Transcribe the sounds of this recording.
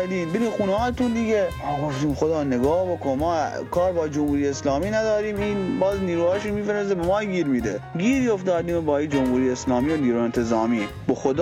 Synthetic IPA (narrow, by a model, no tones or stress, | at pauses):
ɾd̪iːnbeɾiːmxuːnehɑːjt̪und̪iɡeː | ɡoft̪iːmxod̪ɑːneɡɑːhbokonmɑː | kʰɑːɾbɒːd͡ʒomhuːɾiːjeeslɑːmiːnæd̪ɒːɾiːmiːnbɑːzniːɾuːhɑːʃomiːfeɾes̬d̪ebemɑːɡiːɾmiːd̪eɡiːɾjofd̪ɑːd̪iːmobɒːid͡ʒomhuːɾijeeslɑːmiːoniːɾuːent̪ʰezɑːmiː | boxod̪ː